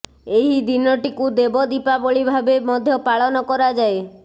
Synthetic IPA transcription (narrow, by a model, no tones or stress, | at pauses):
eɦid̪inɔʈikud̪ebɔd̪ipabɔɭibʱabemɔd̪ʱjɔpaɭɔnɔkɔɾad͡ʒae